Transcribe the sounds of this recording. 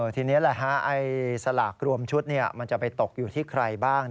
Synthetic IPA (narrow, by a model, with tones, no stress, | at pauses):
t̪ʰiː˧ni˦˥˨lɛ˨˩ɦa˦˥ʔa˧jsa˧laː˨˩k̚ɾu˧əmt͡ɕʰu˦˥t̪̚ni˥˩ɐma˧nt͡ɕa˨˩pa˧jt̪o˨˩k̚juː˨˩t̪ʰiː˥˩kʰɾa˧jbaː˥˩ŋ